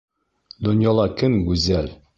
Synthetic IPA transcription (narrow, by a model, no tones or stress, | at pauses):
d̪ŏnjɑlˠɑkɘŋɡʉzæl